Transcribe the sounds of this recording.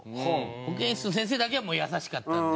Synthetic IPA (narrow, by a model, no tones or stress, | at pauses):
ookẽɕi̥nos̬ẽs̬e̞ːd̪ak̬emojasaɕi̥kat̪ːa